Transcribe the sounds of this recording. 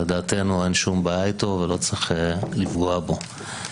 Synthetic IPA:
ed̪aːte̞nuenʃumbaajto̞velo̞t͡sʁiχelifɡoabo̞

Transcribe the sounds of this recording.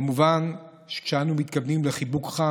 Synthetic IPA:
muvan | ʃe̥kʃeanumit̪kavnimleχibukχa

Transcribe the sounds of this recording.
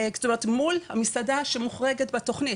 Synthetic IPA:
kst̪omeʁetmulhamisadaʃemuχʁeɡetbeto̞χnit

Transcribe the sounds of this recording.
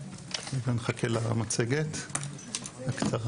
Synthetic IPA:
mevanχakʰelamat͡seɡet̪ | haktaʁ

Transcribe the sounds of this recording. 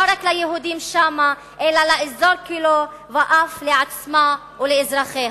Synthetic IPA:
aɾaklajeɦud̪imʃama | ʔelalaʔizoɾkilo | vaʔafleʕat͡sma | uleɪzɾaχeːh

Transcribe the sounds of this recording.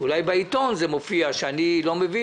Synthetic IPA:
ulajbeit̪o̞nzemofiaʃeanilo̞mevi

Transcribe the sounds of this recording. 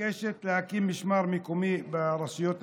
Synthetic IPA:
eːʃet̪lɪhakiːmːɪʃmaːɾˤmikumibɪɾˤɑsɪjoːt̪

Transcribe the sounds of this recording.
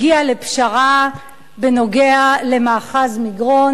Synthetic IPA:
iale̞pʃaʁa | beno̞ɡeale̞maːχazmiɡʁo̞

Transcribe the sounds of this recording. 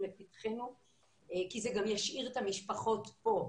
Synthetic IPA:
lepit̪χenu | kizeɡamjaʃʔiʁet̪amiʃpaχo̞tpo̞

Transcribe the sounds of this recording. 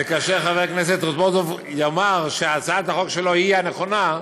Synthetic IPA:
ekaʃeʁχaveʁknes̬et̪ʁozbod̪ov | jamaʁʃeat͡saat̪aχokʃeloijaneχo̞na

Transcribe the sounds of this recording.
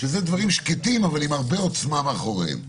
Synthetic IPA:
ʃezed̪vaʁimʃket̪imavalimaʁbeot͡smameaχo̞ʁḛm

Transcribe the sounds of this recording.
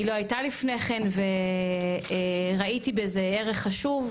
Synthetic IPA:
ilo̞ajtalifne̞χenve̞ | ʁaitibeze̞eʁeχːaʃuv

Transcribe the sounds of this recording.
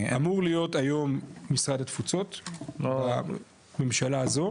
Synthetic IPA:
amuʁlijo̞tajo̞mːisʁad̪at̪fut͡so̞tla | me̞mʃalaːzo̞

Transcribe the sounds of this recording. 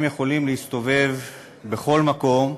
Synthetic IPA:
mjeχo̞limleist̪o̞ve̞v | be̞χo̞lmako̞m

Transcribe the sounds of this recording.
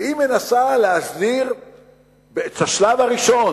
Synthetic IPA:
ime̞nasaleasdiʁ | beet͡shaʃlavaʁiʃo̞n

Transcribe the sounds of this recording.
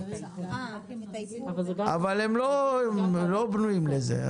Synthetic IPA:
a̰valemlomlobnuimlezḛ

